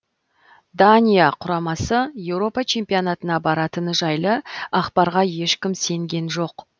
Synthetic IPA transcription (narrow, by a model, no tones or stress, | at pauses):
d̪anʲijaqʰʊɾɑmɑsəje̞wɾo̞pɑt͡ʃʰe̞mpionɑt̪ənɑbɑɾɑt̪ənəʒɑjlˠəɑqpɑɾʁɑje̞ʃkʲɪmse̞ŋɡʲe̞nʒo̞q